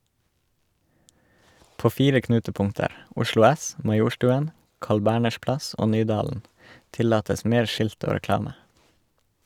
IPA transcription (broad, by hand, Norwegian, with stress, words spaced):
ˈpoː ˈfiːɾə ˈknʉːtəˌpʊŋtəɾ ˈʊʃlʊ ˈæs mɑˈjuːʃtʉːən ˈkɑːɭ ˈbæːɳəʃ ˈplɑs ˈoː ˈnyːdɑːln̩ ˈtɪlɑːtəs ˈmeːɾ ˈʃɪlt ˈoː ɾɛˈklɑːmə